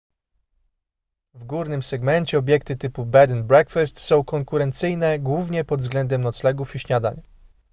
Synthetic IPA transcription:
vɡuɾnɘmsɛɡmɛɲt͡ɕɛɔbʲjɛkt̪ɘt̪ɘpubɛd̪nbɾɛkfɛst̪sɔ̃w̃kɔŋkuɾɛnt̪sɘjnɛɡwuvɲɛpɔd̪vzɡlɛnd̪ɛmnɔt̪slɛɡufiɕɲad̪a̰ɲ

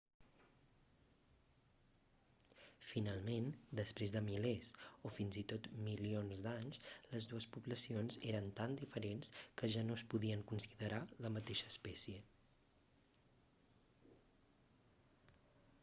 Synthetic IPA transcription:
finalˠmend̪əspɾezðəmilesofinzit̪ot̪milionzd̪aɲsləzðuəspuβləsionzeɾənt̪and̪ifəɾenskəʒanospuðiəŋkunsiðəɾaləmət̪eʃəːspɛsiə

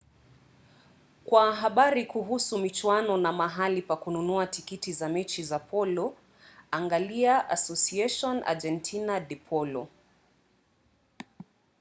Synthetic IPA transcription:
kwaɦaɓaɾikuɦusumit͡ʃwanɔnamaɦalipakununuatikitizamɛt͡ʃizapʰɔlɔ | aŋɡaliaʔasɔsiɛʃɔna̰d͡ʒɛntʰinaɗɛpʰɔlɔ̰

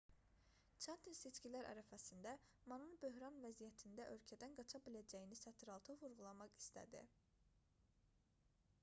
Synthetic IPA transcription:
t͡ʃʰænt̪ʰinse̞t͡ʃcilæɾʔæ̰ɾæfæsind̪æmɑnɯnbø̞ɦɾɑnvæzijæt̪ʰind̪æʔø̞lcʰæd̪ænɡɑt͡ʃʰɑbilæd͡ʒæjinisæt̪ʰɾɑlˠt̪ʰɯvuɾɣulˠɑmɑχi̥st̪ʰæ̰d̪ḭ

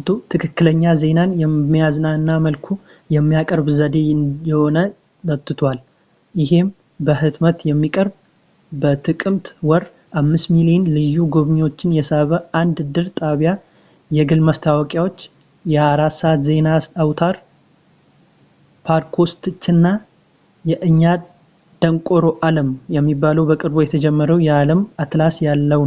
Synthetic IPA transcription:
t̪ʰut̪ʰɨkʰɨkːɨləɲːaze̞nanjɛːijazɨnaɨnːaməlkʰu | jɛmːijakʼəɾbzəd̪e̞njɛho̞nə | d̪ət̪ʼːɨt̪ʰwal | jɪɦe̞m | bəɦɨt̪mət̪jɛmːikʼəɾb | bət̪ʰɨkʼɨmt̪wɔɾ | ʔamːɨst̪milienlɨjːuɡo̞βɲwo̞t͡ʃːɪnjɛsəβəand̪ɨd̪ɨɾt̪ʼaβja | jɛɡɨlməst̪ʰawɔkʼjawo̞t͡ʃː | jɛaɾat̪səat̪ze̞naawt̪ʰaɾ | pʰaɾkʰo̞st̪ɨt͡ʃːɨnːa | jɛʔɨɲːa | d̪̥əŋkʼo̞ɾo̞ʔaləmjɛmːibːaləwbəkʼɨɾbo̞jɛt̪ʰəd͡ʒɛmːəɾəwjɛaləmat̪lasjalːəw

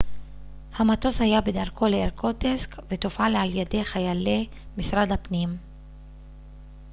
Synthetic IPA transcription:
hamat̪o̞shajabe̞daʁkʰo̞leeʁkʰo̞teskve̞t̪ofalealjade̞χajale̞ | misʁad̪hapnim

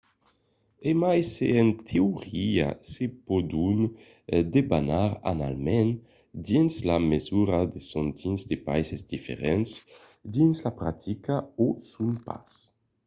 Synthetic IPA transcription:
emajseɛnt̪ʰeuʁia̰sepɔd̪un | d̪ebanaɾa̰na̰lmɛn | d̪inslamezuɾad̪esɔnt̪ʰinzd̪epajsezd̪ifḛʁɛns | d̪inslapɾat̪ʰikaosumpa̰s

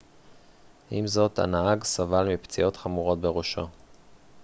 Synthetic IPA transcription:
ʔimzo̞ta̰naaɡsavalmipt͡sio̞tχamuʁo̞t̚beʁoʃo

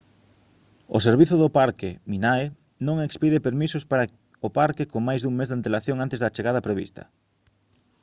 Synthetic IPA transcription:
ʊ̰seɾβiθʊðʊpaɾkɪminae | nõŋekspiðepeɾmisʊspaɾɐ | opaɾkɪkoŋmajzðuŋmezðant̪elaθjoŋant̪ezðɐt͡ʃeɣað̞ɐpɾeβḭst̪ɐ̰

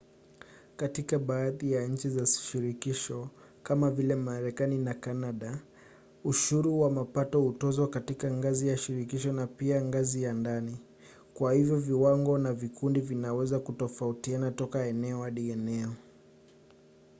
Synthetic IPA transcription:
katikaɓaːðijaɲ̩t͡ʃizasʃiɾikiʃɔ | kamavilɛmaɾɛkaninakanaɗa | uʃuɾuwamapatɔhutɔzwakatikaŋɡazijaʃiɾikiʃɔnapiaŋɡazijandani | kwahivjɔviwaŋɡɔnavikundivinawɛzakutɔfautianatɔkaɛnɛɔaɗiɛnɛɔ

